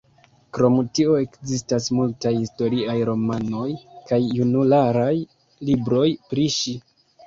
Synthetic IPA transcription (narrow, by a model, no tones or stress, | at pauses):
kɾo̞mtio̞e̞kzistasmultajhisto̞ɾiajɾo̞mano̞jkajːunulaɾaj | libɾo̞jpɾiʃi